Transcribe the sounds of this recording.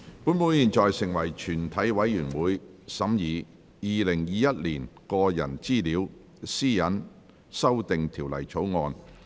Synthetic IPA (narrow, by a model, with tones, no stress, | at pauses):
puː˨˥nmuː˨˧˥jiː˨˩nt͡ʃɔː˨jsɪ˨˩ŋwɐ˨˩jt͡ʃʰyː˨˩nt̪ʰɐ˨˥jwɐ˨˥jːyː˨˩nwuː˨˥jsɐ˨˥mjiː˨ | jiː˨lɪ˨˩ŋjiː˨˧jɐ˥t̚liː˨˩nkɔː˧jɐ̰˨˩nt͡siː˥˩liː˨˧˥w | siː˥jɐ˨˥n | sɐ˥wt̪ɪ˨ŋt̪ʰiː˨˩wlɐ̰˨˩jt͡ʃʰo˨˥wŋɔː˧n